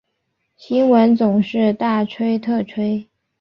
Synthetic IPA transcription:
ɕi˥ŋwə˧˥nt͡sʊ˨˩ŋʂɻ̩˥˧t̪a˥˩ʈ͡ʂʰwe˥ɪt̪ʰɤ˥˩ʈ͡ʂʰwe˥ɪ

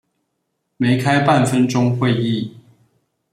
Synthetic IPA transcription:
me˨˦ɪkʰa˦ɪpa˥˨nfə˦nʈ͡ʂʊ˦ŋxwe˥˨˧ɪi˥˨

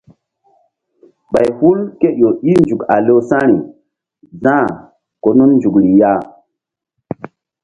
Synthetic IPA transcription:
ɓa˨jhu˦lke˦jo˨i˦nd͡ʒu˨ka̰˨lo˦sã˦ɾi˨ | zã˦˨ | ko˨nu˦nnd͡ʒu˨kli˨ja˦˨

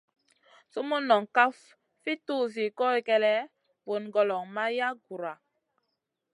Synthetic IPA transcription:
so˦mo˦nɔ˨ŋka˦f | fi˦tuː˦z̬i˨kɔ˦i˦kɛ˦lɛ˦ | bo˨nɡɔ˨lɔ˨ŋma˦ja˦ɡu˨ɾa˨

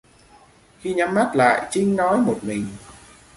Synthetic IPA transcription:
xi˧ɲa˨˦mːa˦˥t̚la̰ː˧˨jt͡ɕï˧ŋ̟nɔ˨˦jmo˨˩t̚mï˨˩ŋ̟

